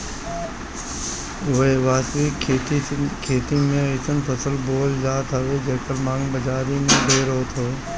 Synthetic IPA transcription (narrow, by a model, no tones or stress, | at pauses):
ʋeʋaːsik̪ʰː | kʰeːt̪imẽeɪsənpʰəsəlboːld͡ʒaːt̪ɦəʋed͡ʒeːkəɾmãːŋɡbəd͡ʒaːɾimẽbeːɾoːt̪oeː